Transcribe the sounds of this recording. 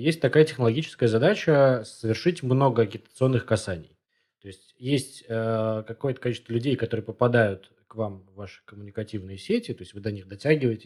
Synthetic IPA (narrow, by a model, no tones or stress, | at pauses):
jesʲt̚ʲt̪ɐkajətʲɪxnlˠɐɡʲit͡ɕɪ̥skəjəzɐd̪at͡ɕəsəvʲɪrʂɨtʲmno̞ɡəɐɡʲɪt̪ət̪sɨo̞nːɨxkɐsanʲɪ̰j | t̪o̞ɪsʲtʲjesʲtʲəkɐko̞jət̪əkɐlʲit͡ɕɪst̪vəlʲʉdʲejkɐt̪o̞ɾɨjəpəpɐd̪ajʊt̪ | kvamvːaʂɨ̥kəmʊnʲɪkɐtʲivnɨjəsʲetʲɪt̪o̞ɪsʲtʲvɨd̪ɐnʲixd̪ɐtʲæɡʲɪvəjɪtʲɪ̥